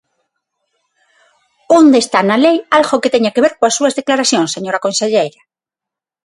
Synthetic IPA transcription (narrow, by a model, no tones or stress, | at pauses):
ond̪est̪analejalɣoket̪eɲakeβ̞eɾkõasːuɐzðeklaɾaθjõŋseɲoɾakõnseʎejɾɐ